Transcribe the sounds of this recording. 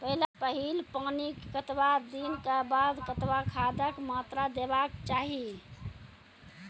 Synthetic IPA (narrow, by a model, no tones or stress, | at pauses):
pəɦilapəɦilpanikkət̪wad̪inkabad̪kət̪ʋakʰad̪əkmat̪ɾad̪ebakt͡ʃaːɦi